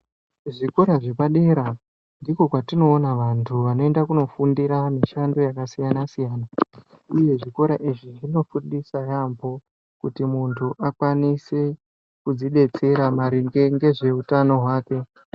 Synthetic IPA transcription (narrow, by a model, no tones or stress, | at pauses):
ʐiko̞ɾaʐe̞paɗe̞ɾa | ndiko̞kwatino̞ːnaʋantʰuʋano̞e̞ndakuno̞fundiɾamiʃando̞jakasijanasijaːna | uje̞ʐiko̞ɾaʔiʐiʐino̞fuɗisajambo̞ | kutimuntʰuʔakwanise̞ | kud͡ziɗe̞t͡se̞ɾamaɾiŋɡeŋɡe̞ʐe̞utano̞ɦwaːke̞